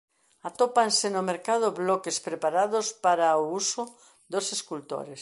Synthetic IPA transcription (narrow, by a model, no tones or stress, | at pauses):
at̪opansenomeɾkaðʊβlɔkespɾepaɾaðospaɾaousʊ | d̪oseskult̪o̰ɾes